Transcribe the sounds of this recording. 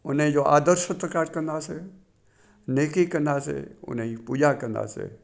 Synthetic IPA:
ʊnẽd͡ʒoːʔa̰ːd̪əɾʃət̪ɾəkaːɾkə̃nd̪aːse | neːkikə̃nd̪aːsḛʊ̰nẽipuːd͡ʒakə̃nd̪a̰ːsḛː

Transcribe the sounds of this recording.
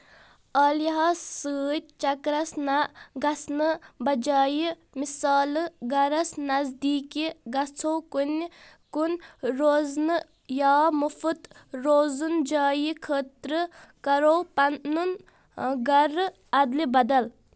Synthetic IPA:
ɐːljiɦɐsɨːt̪̚ʲt͡ʃɐkɾɐsnɐɡɐsnɨbɐd͡ʒaːji | misaːlɨɡɐɾɐsnɐzd̪iːkiɡɐt͡sʰowkun | kunɾoːznɨ | jaːmufut̪ɾoːzund͡ʒaːjikʰəːt̪ɾɨkɐɾowpɐnːun | ɡɐɾ | ɐd̪libɐd̪ɐl

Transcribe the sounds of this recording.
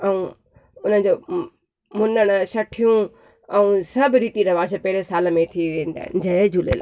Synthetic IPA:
ɐũ | ʊnəd͡ʑoː | mʊnəɽ̃ʃɐʈʰijũ | ɛũsɐbɾiːt̪iɾɐʋaːsəpɛɦɾesaːlmẽt̪ʰiʋẽːn̆d̪a̰ɦɪ̰nd͡ʑɐed͡ʑʱulḛːla̰ː

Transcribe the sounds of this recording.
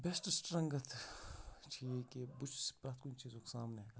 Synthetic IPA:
bɛsʈsʈɾɐ̃ŋɡət̪ʰ | t͡ʃʰiekebʊt͡ʃʰspɾaːt̪kʊnt͡ʃiːzõːke̥saːmneaːɡa

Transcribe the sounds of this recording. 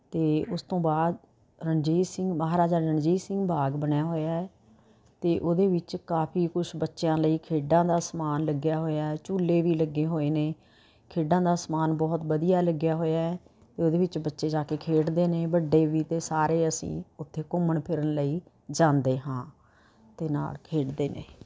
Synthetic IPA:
t̪eːʊst̪õːbaːd̪ | ɾənd͡ʒiːsɪ̃ŋɡməɦaːɾaːd͡ʒaːɾəɳd͡ʒiːsɪ̃ŋɡbʱaːɡbəɳjaːɦoːjaːɛː | t̪eːʔoːd̪eːʋɪt͡ʃkaːpʰiːkʊʃbətːʃjãːləiːkʰeːɖãːd̪aːsmaːnləɡjaːɦoːjaːɛt͡ʃuːlːeːʋiːləɡːeːɦoːeːneː | kʰeːɖãːd̪aːsmaːnbɔːt̪bəd̪ijaːləɡjaːɦoːjaːɛː | t̪eːoːd̪eːʋɪt͡ʃbətːʃeːd͡ʒaːkeːkʰeːʈd̪eːneːbəɖːeːʋiːt̪eːsaːɾeːəsḭ̃ːʊt̪ʰːeːkʊməɳpʰɪɾənləiː | d͡ʒãːnd̪eːɦãː | t̪eːna̰ːlkʰeːʈd̪eːnḛː

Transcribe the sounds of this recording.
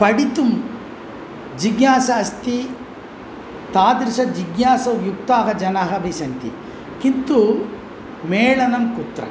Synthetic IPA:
pɐɽit̪um | d͡ʒiɡjaːsɐɐst̪i | t̪aːd̪ɾiʃɐd͡ʒiɡnaːsɐjukt̪aːɦɐd͡ʒɐnaɦɐbʱisɐnt̪ḭ | kint̪u | meːɭɐnɐmkut̪ɾɐ̰

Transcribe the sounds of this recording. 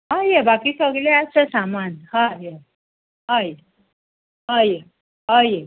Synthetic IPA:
ɦajebakiːsəɡleasəsamanhaje | ɦaj | ɦaje | ɦaje

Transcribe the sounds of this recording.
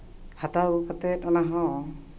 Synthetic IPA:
hatawkatɛtɔnaɦɔ̃

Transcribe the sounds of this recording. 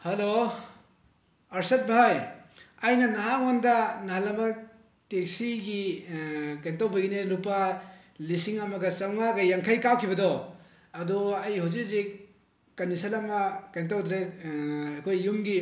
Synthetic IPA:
hɐlo | ɐɾsɐt̚bajɐjnɐnɐɦaŋondɐnɐhalɐmɐ | tek̚siɡi | kentawbɐɡineɾupɐ | lisiŋɐmɐɡɐsɐŋmaɡɐjaŋkʰajkawkʰibɐdɔ | ɐdɔɐjhawzik̚zik | kɐnːisalɐmɐkent̬awdɾe | ɐkʰojːumɡi

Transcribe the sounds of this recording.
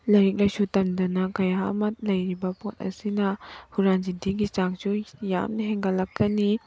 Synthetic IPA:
lɐɾik̚lɐjsutɐmdɐnɐkɐja̰mɐt̚lɐjɾibɐpot̚ɐ̰sinɐhuɾand͡ʒidʱiɡisaŋsuja̰mnɐɦeŋɡɐlɐk̚kɐni

